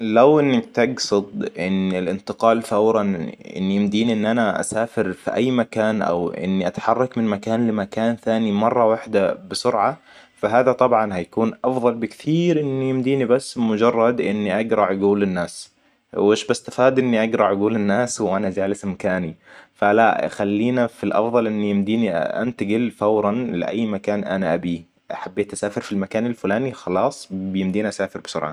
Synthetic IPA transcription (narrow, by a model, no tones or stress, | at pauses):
lawʔɪnːak̚t̪ɑɡsʊd̪ˤʔɪnɪlʔɪnt̪ɪqɑːlθawɾˤɑnʔɪ̰nːijɪmd̪iːniʔɪnːʔanaʔa̰saːfɪɾfiʔajːmakaːnʔa̰wʔɪ̰nːiʔat̪ħɑrˤːɑkmɪnmakaːnlɪmakaːnθaːnimɑrˤːɑwaħd̪abɪsʊɾʕa | faɦaːðat̪ˤɑbʕɑnhajakuːnʔɑfðˤɑlbɪkt̪ʰiːɾʔɪnːijɪmd̪iːnibasːmʊd͡ʒɑrˤːɑd̪ʔɪnːiʔaɡɾˤɑʕaɡuːlɪnːaːs | wʔɪːʃbast̪afaːd̪ʔɪnːiʔɑɡɾˤɑʕaɡuːlɪnːaːswʔanazaːlasɪmkaːnifalaxalːiːnafilʔɑ̰fðˤɑlʔɪnːijɪmd̪iːniʔʔa̰nt̪aɡɪlfawɾˤɑnlɪ̰ʔa̰jːmakaːnʔanaʔabi | ʔaħabːeːt̪ʔasaːfɪɾfilmakaːnalfʊlaːnixɑlɑːsˤbɪjɪmd̪iːnʔasaːfɪɾbɪ̥sʊ̰ɾʕɑ̰